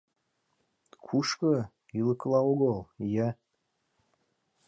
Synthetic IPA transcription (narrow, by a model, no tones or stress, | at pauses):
kʰuʃkɤ | ilɤklˠɑoɣəlˠja